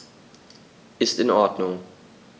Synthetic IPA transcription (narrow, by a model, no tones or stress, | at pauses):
ʔɪstɪnɔɐdnʊŋ